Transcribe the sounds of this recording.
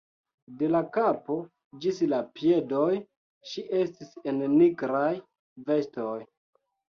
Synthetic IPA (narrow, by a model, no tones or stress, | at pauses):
de̞lakapo̞ | d͡ʒislapje̞doj | ʃiʔe̞stisenːiɡɾaj | ve̞sto̞j